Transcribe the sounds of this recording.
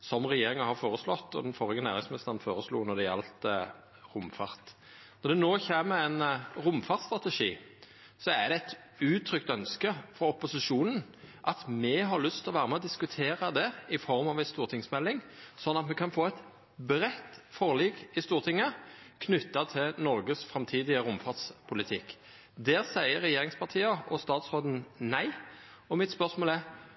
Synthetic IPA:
sɔmʁɛjeːɾɪŋɑhɑʁfoːɾəslɔt̪ːɔ̰d̪ɛnfɔɾɪɡənæːʁɪŋsmɪnɪst̪əʁənfoːɾəslṵːnɔd̪ɛjɛ̰lt̪ə | ɾʊmfɑʁt̪ | nɔɾd̪ɛnoːçeːməɛɪnɾʊmfɑʁt̪st̪ʁɑt̪ɛʂḭː | sɔæd̪ɛɛt̪ | ʉːt̪ʰɾʏkt̪œnskəfɔɾɔpʊsɪʂuːnən | ʔɑt̪mɛɦɑɾlʏst̪ʰɪlɔʋæːɾəmɛɔd̪ɪskʉt̪ʰeːɾɑd̪ɛɪfɔɾmɑʋɛst̪uːɾt̪ʰɪŋsmɛlːɪŋsɔnːɑt̪mɛkʰɑnfoːɛt̪ | bɾɛt̪ːfɔʁliːkɪst̪uːʁt̪ʰɪŋːəkʰnʏt̪ːɑt̪ʰɪlnɔɾɡəsfɾɑmt̪ʰiːd̪ɪəʊmfɑʁd̪spʰʊlɪt̪ʰɪkː | d̪ɛːʁsæɪəɾːɛjeːɾɪŋspʰɑt̪ʰiːɑʔɔst̪ɑːt̪sʁoːd̪n̩næɪ | ɔmɪt̪spœʁsmoːlɛ

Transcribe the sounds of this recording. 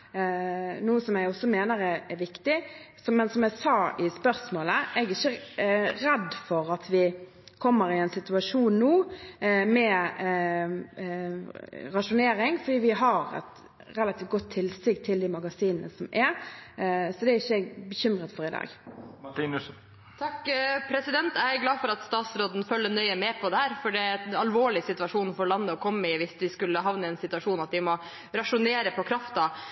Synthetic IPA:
nuːəsɔmæɡɔsːɔmeːnəɾɛɛʋɪkt̪ɪ | sɔmɛnsɔmæɪsɑːʔɪspœɾsmoːləʔɛɡɪçːəɾɛd̪fɔɾɑt̪ʰʋɪ | kʰɔmːəɾɪɛnsɪt̪ʉɑʂuːnnuː | mɛ | ɾɑʂʊneːɾɪŋfɔɾd̪iːʋɪɦɑɾɛ̰t̪ | ɾɛlɑt̪ʰift̪ɡɔt̪ʰːɪlːst̪ʏɡt̪ʰɪld̪imɑɡɑsiːnənə̰sɔmʔɛɾ | sɔd̪ɛɾɪçːəbəçʏmɾət̪fɔɾɪd̪ɑ̰ːɡin | t̪ʰɑkːpʰɾɛsɪd̪ɛnt̪ææɡlɑːfɔɾɑt̪st̪ɑːt̪sɾoːd̪nfœlːənœʏəmɛpʰɔd̪ɛhæːɾfɔɖɛɑlʋoːɭɪsɪt̪ʉɑʂuːnfɔɾlɑnːəɔkʰɔmːəɪʋɪsʋɪskʉlːəɦɑʋnəɛnsɪt̪ʉʋɑʂuːnɑt̪̚d̪ɪmɔ | ɾɑʂʊneːɾəpʰɔkʰɾɑft̪ɑ

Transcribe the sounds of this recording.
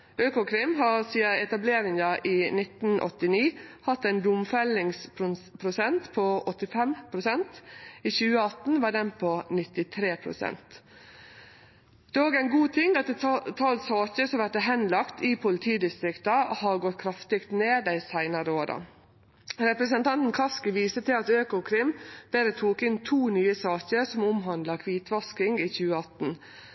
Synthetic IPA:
øːkʊkʰɾɪmɦɑɾsiːəɛt̪ɑbleːɾɪŋɑʔiːnɪt̪n̩ʔɔ̰t̪ːɪniːhɑt̪ːæɪnd̪ʊmfɛlɪŋsppʰɾʊsɛnt̪pʰɔɔt̪ːɪfɛmpʰɾʊsɛnt̪iːçʉːəɑt̪n̩ʋɑːɖɛnpʰɔnɪt̪ɪt̪ʰɾeːpʰɾʊ̰sɛ̰nt̪ | d̪̥ɛːoːɡæɪnɡuːt̪ʰɪŋɑt̪ɛt̪ʰɑlsɑːçəsɔmʋæʈəɦɛnlɑkt̪iːpʰʊlɪt̪ʰiːd̪ɪst̪ɾɪkt̪ɑhɑɾɡɔt̪̚ːkʰɾɑft̪ɪkt̪neːd̪æɪsæɪnɑɾəoːɾɑ̰ | ɾɛpɾəsənt̪ʰɑnt̪n̩kʰɑskɪʋiːsət̪ʰɪlɑt̪øːkʊkʰɾɪmb̥eːɾət̪ʰuːkɪnt̪ʰuːnyːəsɑːɕəɾsɔmʊmɦɑnd̪lɑkʰʋiːt̪ʋɑskɪŋɡiːçʉːəɑt̪n̩

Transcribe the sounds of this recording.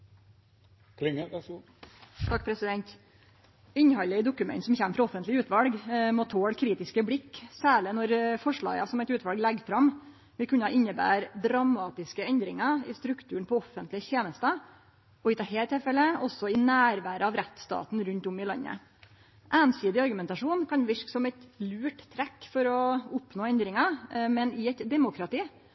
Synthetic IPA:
kʰlɪŋ | t̪ʰɑkːpʰɾɛsɪd̪ɛnt̪ | ɪnːəhɑləɪd̪ʊkʉmɛ̰nt̪sɔmçæmːəfɾɑɔfənt̪lɪʉːt̪ʋɑlɡmoːt̪ʰoːɽkʰɾiːt̪ɪskəblɪkːsæːɭɪnɔɾfɔʂɭɑ̰ːɡɑ̰sɔmɛɪt̪ʉːt̪ʋɑlɡlɛɡfɾɑm | ʋɪlkʰʉnːɑʔɪnːəbæ̰ːɾd̪ɾɑmɑːt̪ɪskəɛnd̪ɾɪŋɑɪst̪ɾʉkt̪ʰʉːɳpʰɔɔfːənt̪lɪçeːnəst̪ɑ | ɔɪt̪ʰɑːɦeːlət̪ʰɪlfɛlːəɔsːɔɪnæːɾʋæːɾəɑʋɾɛt̪ːst̪ɑ̰ːt̪nɾʉnt̪ʊmɪlɑ̰nːə̰ | ʔæːnsyːd̪ɪɑɾɡʉmɛnt̪ɑʂuːnkʰɑnʋɪʂksɔmɛt̪lʉːʈt̪ʰːɾɛkːfɔɾɔʊpnoːɛnd̪ɾɪŋɑmɛnɪɛt̪d̪ɛmʊkɾɑt̪iː

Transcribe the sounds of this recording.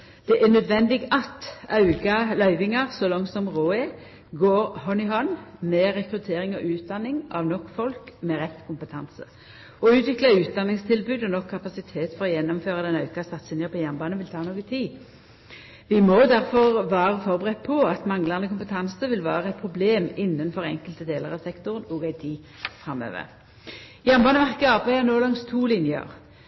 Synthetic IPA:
d̪̥ɛʔænœd̪ʋɛnd̪ɪɡɑt̪ɑʉɡɑlœʏʋɪŋɑʁsɔlɔŋt̪sɔmʁoːɛ | ɡoːɾhɔnɪɦɔnmɛʁɛkɾʉt̪ʰeːɾɪŋɔʔʉːt̪̚d̪ɑnːɪŋɑʋnɔkːfɔlkmɛʁɛt̪ːkʰʊmpət̪ʰɑnsə | ɔʉːt̪ʋɪklɑʉːt̪̚d̪ɑnːɪŋst̪ʰɪlbʉːd̪ɔnɔkʰːɑpɑsɪt̪ʰeːt̪fɔɾɔjɛnːɔmføːʁɑd̪ɛnɑʉkɑsɑt̪sɪnjəpʰɔjænbɑːnəʋɪlt̪ʰɑːnoːɡət̪ʰiː | ʋɪmɔd̪æʁfɔʁʋæːʁəfɔʁbəʁɛt̪̚ːpʰɔɑt̪mɑŋləʁnəkʊmpət̪ʰɑnsəʋɪlʋæːʁəɛt̪̚pʰʁʊbleːmɪnːənfɔʁɛ̰ŋkəlt̪əd̪eːləʁɑʋsɛkt̪ʊʁənɔːɡæɪt̪ʰiː | fʁɑmːø̰ːʋə̰ʁ | jæʁmbɑːnəʋæʁkəɑːpʰæɪɑnoːlɑŋst̪ʰuːlɪnjə̰ʁ

